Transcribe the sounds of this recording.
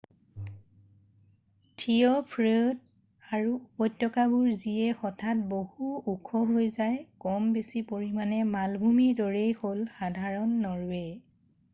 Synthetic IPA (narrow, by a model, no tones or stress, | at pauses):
tʰiɔpʰɹed | aɹupɔjtːɔkabuɹziɛxɔtʰat̚bohuukʰɔɦojzajkɔmbesipoɹimanɛmalbʱumidɔɹejholxadʱaɹɔnːɔɹɛ